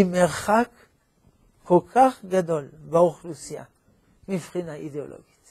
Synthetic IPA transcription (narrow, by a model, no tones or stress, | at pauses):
imeʁχak | kolkʰaχɡad̪o̞lbaoχlusija̰ | mifχinaʔideo̰lʔo̰ɡi̥t